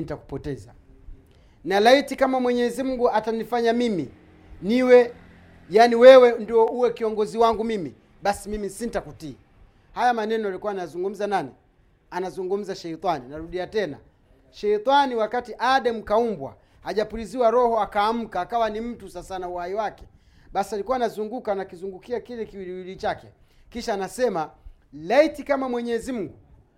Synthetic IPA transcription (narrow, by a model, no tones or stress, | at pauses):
nitaku̥pɔtɛza | nalaitikamamwɛɲɛzim̩ɡuatanifaɲamimi | niwɛ | jaːniwɛwɛndiɔuwɛkiɔŋɡɔziwaŋɡumimi | ɓasimimisintakutia | hajamanɛnɔalikuwanajazuŋɡum̩zanani | anazuŋɡum̩zaʃɛitaninaɾuɗiatɛna̰ | ʃɛitaniwakatiʔaːɗɛm̩kaumbwa̰ | haʄapuɾiziwaɾɔhɔakaːm̩kaːkawanim̩tusasanauhaiwakɛ̥ | ɓasialikuwanazuŋɡukanakizuŋɡukiakilɛkiwiliwilit͡ʃakɛ̰kiʃaːnasɛmalɛitikamamwɛɲɛzim̩ɡu